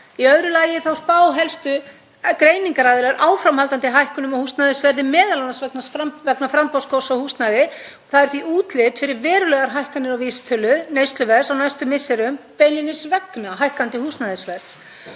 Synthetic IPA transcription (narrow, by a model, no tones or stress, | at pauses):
iœðɾʏlaːjɪθawspaːwɦɛlst̪ʏ | kɾeːjniŋkaɾaːðɪlaɾʔaːwfɾamhalt̪ant̪ɪɦajhkʏnʏmɔhust̪naðɪsvɛɾðɪmɛːðalanasvɛknasfavɛknafɾampowskowsawhust̪naðɪɔθaðɛɾ̥θviʔuːt̪lɪt̪fɪɾɪɾvɛːɾʏlɛɣaɾɦajhkanːɪɾawviːsʏ̥t̪ʰœlʏnejst̪lʏvɛ̥sawnajst̪ʏmɪsːɛɾʏmpeːjlɪnɪsvɛknaɦajhkant̪ɪhust̪naðɪsvɛɾð